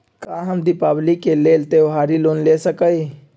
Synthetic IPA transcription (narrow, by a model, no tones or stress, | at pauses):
kaːɦɐmd̪ɪpaːblikeleːlt̪eʋɦaːɾiloːnlesəkəi